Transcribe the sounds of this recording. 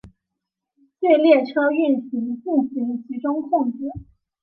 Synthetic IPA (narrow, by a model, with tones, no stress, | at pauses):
t͡ɕɛ˥˧ɪljɛ˥˩ʈ͡ʂʰɤ˥y˥˩nɕi˧˥ŋt͡ɕi˥˩ɕi˧˥nt͡ɕʰi˧˥ʈ͡ʂʊ˥ŋkʰʊ˥˧ŋt͡sɻ̩˥˩